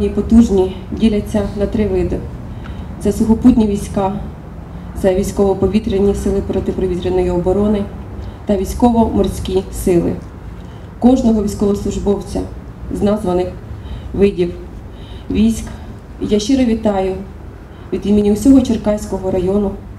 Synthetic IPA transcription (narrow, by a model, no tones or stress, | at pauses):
nʲipɔt̪uʒnʲi | dʲilʲɐt͡sʲːɐnɐt̪ɾɪʋɪd̪ɪ | t̪sɛsʊxɔput̬ʲnʲiʋʲijsʲkɑ | zɐʋʲijsʲkɔʋɔpɔʋʲit̪ɾenʲːisɪlˠɪpɾɔt̪ɪpɾɔʋʲit̪ɾʲenɔjiɔbɔɾɔnɪt̪ɐʋʲijsʲkɔʋɔmɔrsʲkʲisɪlˠɪ̰ | kɔʒnɔɦɔʋʲisʲkɔʋɔslˠʊʒbɔwt͡sʲɐ̰ | znɑzʋɐnɪxʋɪdʲiw | ʋʲisʲk | ijaʃt͡ʃɪɾɐʋʲit̪ɑjʊ | ʋʲid̪ʲid̪mʲinʲːiwsʲɔɦɔt͡ʃerkɑjsʲkɔɦɔɾɐjɔnʊ